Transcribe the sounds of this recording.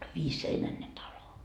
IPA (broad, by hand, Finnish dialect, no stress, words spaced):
ʋiːsːeinæne tɑlo